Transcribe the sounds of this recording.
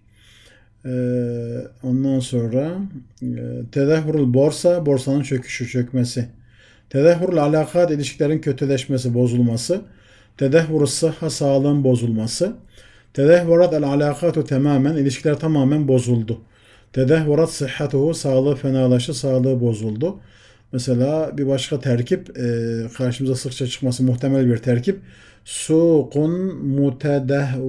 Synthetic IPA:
ond̪ɑnso̞nɾɑ | t̪ʰɛd̪æɦːyɾilboɾsabo̞ɾsɑnɯnt͡ʃʰøcʰy̥ʃyt͡ʃʰøcmɛsi | t̪ʰɛðæɦːyɾlalaːqʰɑːt̪iliʃcʰilæɾincʰøt̪ʰɛlɛʃmɛs̬ibo̞zulˠmɑsɯ | t̪ʰɛd̪æɦːuɾsɨħːɑsɑːlˠɯɯnbo̞zulˠmɑsɯ | t̪ʰɛd̪æhːuɾɑt̪ælʕalaːqʰɑt̪ut̪ʰɛmaːmæniliʃkʰilʲæɾt̪ʰɑmɑːmænbo̞zulˠd̪u | t̪ʰɛd̪æhːuɾɑt̪sɨħːat̪uhusɑːlˠɯfɛnɑːlˠɑʃɯsɑːlˠɯɯbo̞zulˠd̪u | mɛsɛlaːbiɾbɑʃqɑt̪ʰæɾcʲʰibqʰɑɾʃɯmɯzɑsɯχt͡ʃʰɑt͡ʃʰɯ̥qmɑsɯmuht̪ʰɛmælbiɾt̪ʰæɾcʰib̚ | suːqunmut̪ʰɛd̪æɦ

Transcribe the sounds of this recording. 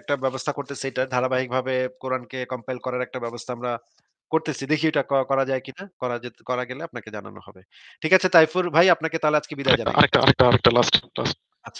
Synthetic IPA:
k̚ʈabɛbost̪ʰakoɾt̪esʰejʈad̪ʱaɾabaɦik̚bʱabekoɾankekɔmpajlkɔɾaɾɛk̚ʈabɛbost̪ʰaamɾa | koɾt̪et͡ɕʰid̪ekʰiewʈakɔkɔɾad͡ʑaekinakɔɾad͡ʑet̪kɔɾaɡeleap̚naked͡ʑana̰no̰ɦɔ̰be | ʈʰikat͡ɕʰet̪ajfuɾbʱajapnaket̪aɦolead͡ʑkebid̪aed͡ʑan̰a̰ɾek̚a̰a̰ɾek̚ʈaaɾek̚ʈalasʈla̰sʈ | atːɕʰa

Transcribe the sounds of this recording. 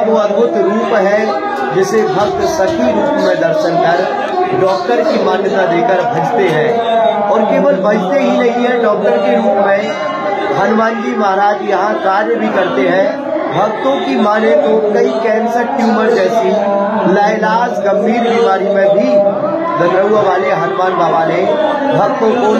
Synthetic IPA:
koɐd̪bʱʊt̪ɾuːpɦɛ̃ | d͡ʒɪsebʱɐk̚t̪sɐkʰiɾuːpmẽd̪ɐɾʃənkɐɾ | ɖɔːk̚ʈəɾkimaːnjət̪ad̪eːkəɾbʱɐd͡ʒt̪eɦɛ̃ː | ɔːɾkeːʋəlbʱɐd͡ʒt̪eɦinɐɦĩɦɛ̃ɖɔːk̚ʈəɾkeɾuːpmẽ | ɦɐnʋaːnɡimaːɦɾaːd͡ʒjɐɦãkaːɾjəbʱikɐɾt̪eɦɛ̃ | bʱɐɡt̪õkimaːnet̪okɐikɛ̃ːnsəɾʈjuːməɾd͡ʒɛːsi | laːlaːsɡɐmːiːɾbiːmaːɾimẽbʱi | ɡ̪ɐnɾəuaʋaːleɦənʋaːnbaːbaːne | bʱɐɡ̚t̪õko

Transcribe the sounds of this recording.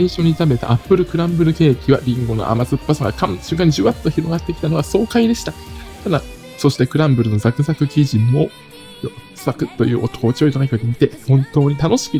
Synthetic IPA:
aĩɕo̞ɲ̟it̪abe̞t̪a̰ʔapːɯ̟ɾɯ̟kɯ̟ɾãmbɯ̟ɾɯ̟ke̞ːkʲiβaɾʲĩŋɡo̞no̰ʔa̰mazɨpːasaŋɡakãmɕɨ̟̃ŋkãɲ̟ʑɨːβat͡st̪oçiɾo̞ɡat̪ːe̞kʲi̥t̪anoɡaso̞ːkaid̪e̞ɕi̥t̪at̪ad̪a | so̞ɕi̥t̪e̞kɯ̟ɾãmbɯ̟ɾɯ̟no̞zakɯ̟zakɯ̟kʲiʑĩmːo̞ | josakɯ̟t̪ːo̞jɯ̟ːʔo̞t̪o̥koːt͡ɕioit̪onakiod̪ʲemʲit̪e̞hõ̞nt̪o̞ːɲ̟it̪ano̞ɕi̥kʲi

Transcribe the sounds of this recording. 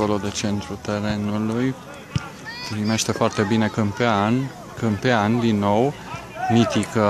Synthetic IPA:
olo̞d̪e̞t͡ʃe̞nt̪ɾut̪e̞ɾe̞nuluj | pɾime̞ʃt̪e̞foart̪e̞bine̞kəmpean | kɨmpeand̪inːo̞w | mit̪ikə

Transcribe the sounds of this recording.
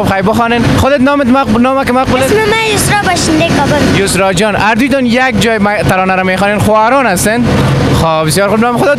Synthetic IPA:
ubxajbʊxɔnenxʊd̪et̪nɔmɪt̪manɔmakɪmaqbulesmamajʊsɾɔbaʃɪnd̪ekabʊljʊsɾɔd͡ʒɔnaɾd̪ujt̪ɔnjak̚d͡ʒɔjmat̪aɾɔnaɾamexɔnenxoaɾɔnast̪en | xobɪsjɔːɾxubnɔmɪxʊd̪ɔ

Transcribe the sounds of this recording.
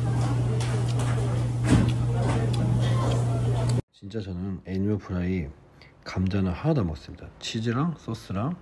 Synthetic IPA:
t͡ɕint͡ɕ͈at͡ɕʌnɯneɲopʰuɾai | kamd͡ʑanɯhanamʌ̰k̚s͈ɯmɲid̥at͡ɕʰid͡ʑiɾaŋs͈ʌs͈ʰɯɾaŋ

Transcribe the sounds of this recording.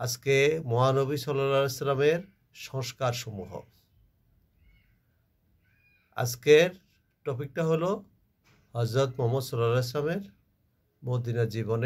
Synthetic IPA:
ad͡ʑkemɔanobisɔlalaslameɾ | ʃɔŋʃkaɾʃɔmuɦo̰ | a̰d͡ʑkeɾ | ʈopik̚ʈaɦolo | ɦʌd͡ʑɾot̪mɔmot̪sɔlalas̬lameɾ | mod̪inad͡ʑibone

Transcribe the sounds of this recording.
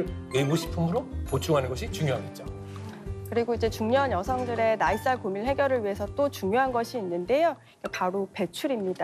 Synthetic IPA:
wemuɕʰi̥pʰɯmɯɾopot͡ɕʰuŋɦanɯnɡʌɕʰit͡ɕuŋjoɦaɡet̚t͡ɕ͈o | kɯɾiɡoid͡ʑe̞t͡ɕuŋɲoɦaɲjʌsʰʌŋdɯɾe̞nais͈aɭkomiɭhe̞ɡjʌɾɯɭɥiɦesʰʌt͈ot͡ɕuŋjoɦanɡʌɕʰiːnːɯnde̞joikapaɾope̞t͡ɕʰuɾimɲida

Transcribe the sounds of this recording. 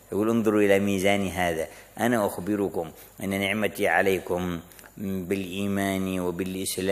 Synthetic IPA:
ʔaɡuːlʔʊnðˤʊɾʔɪlamiːzaːniɦaːðaʔanaʔaxbɪɾʊkʊm | ʔɪnːanɪʕmat̪iʕa̰leːkʊm | bɪlʔiːmaːniwɪbɪlʔɪslaː

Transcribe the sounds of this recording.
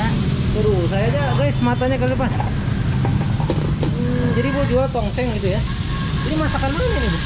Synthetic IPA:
suɾusajad͡ʒaɡasəmat̪aɲakaipas | m̩ | d͡ʒadibuad͡ʒuat̪ɔŋsɛŋit̪uja | d͡ʒadimasakalmanani

